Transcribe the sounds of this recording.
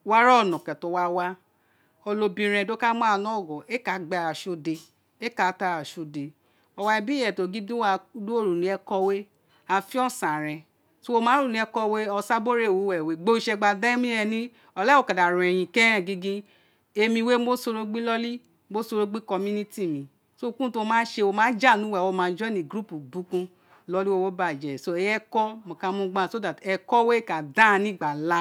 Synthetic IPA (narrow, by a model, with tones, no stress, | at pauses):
wa˦ɾɔ˦˨nɔ̃˨kɛ˨to˧˦wa˧wa˧ | o˧lo˧bĩ˧ɾ̃ɛ̃˧˨do˦ka˦mɔ̃˦a˧˨nɔ̃˦˨ɡɔ˨e˦ka˨˦ɡ͡bɛ˧˨a˨ʃo˧˦de˧ | e˦ka˨˦ta˧˨a˨ʃo˧˨de˨ | ɔ˧wa˧ɛ˧bi˦ɛ˨to˨ɡi˦dũ˦wa˧˦du˦o˦˨ɾu˨nĩ˨˦ɛ˧kɔ˧we˦ | a˧˨fi˦ɔ˦˨sã˨ɾ̃ɛ̃˧ | so˦o˧mãː˨˦ɾu˦˨nĩ˨˧ɛ˧kɔ˧we˦ɔ˧sa˦bo˦ɾe˦˨wo˨˦˨wɛ˨we˨ɡ͡bo˧˦i˧ʃɛ˧ɡ͡ba˧dã˦i˦mĩ˦ɛ̃˧˨nĩ˦ | ɔ˧lɛ˦o˨ka˨da˨ɾ̃ɛ˨j̃ĩ˧kɛ̃˦ɛ̃˦˨ɡi˦ɡĩ˦ | e˧mĩ˧we˦mo˦so˧ɾo˧ɡ͡bĩ˦lɔ˦li˦ | mo˦so˧ɾo˧ɡ͡bĩ˦kɔ˧mũ˦nĩ˦ti˦˨mĩ˨ | so˦˧˦kũ˦to˧mãː˦ʃe˧o˧mã˦d͡ʒa˦˨nũ˨˦wɛ˦˨wɔ˦˧˦mã˨˧˦d͡ʒɔ̃˦nĩ˨ɡɾu˦pu˨bu˨˦kũ˧ | lɔ˦li˦wo˦wo˦ba˦˨d͡ʒɛ˨so˦ɛ˧jɛ˦kɔ˦mɔ̃˨kã˧˦mũ˦ɡ͡bã˦˨so˦da˨tɛ˧kɔ˦we˦˨ka˨dã˦˧nĩ˦ɡ͡ba˨la˦